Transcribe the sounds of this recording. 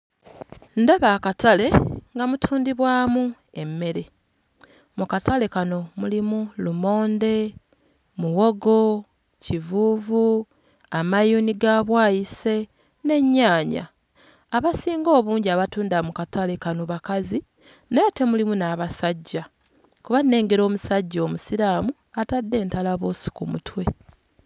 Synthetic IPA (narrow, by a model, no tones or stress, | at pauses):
ndaβaːkatale̞ŋɡamutʰuːndiβwaːmu | e̞mːe̞ɾe̞ | mukatale̞kano̞mulimulumo̞ːnde̞ | muwo̞ɡo̞ | civuːvu | amajuːniɡaːβwaːjise̞ | ne̞ɲːaːɲa̰ː | βasiːŋɡo̞ːβuːɲɟiaβatuːndamukatalekanoβakazi | nete̞mulimunaːβasaɟːa | kuβanːe̞ːŋɡeɾo̞ːmusaɟːoːmusiɾaːmu | atadːe̞ːntalaβoːsi̥kumṵtʰwe̞